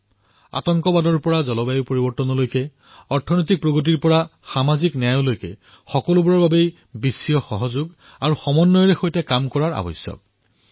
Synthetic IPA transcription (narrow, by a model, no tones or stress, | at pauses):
a̰tɔŋkɔbadɔɹpɔɹazɔlɔbajupoɹibɔɹtɔnɔlojkɛ | ɔɹtʰɔnojtik̚pɹoɡot̬iɹpɔɹaxamaziknɛajolojkɛ̰ | xɔkɔlubuɹɔɹbabej | bisijɔxɔɦɔzuɡ | aɹuxɔmɔnːɔjɔɹɛxojtɛkamkɔɹaɹa̰bɔ̰sjɔ̰k̚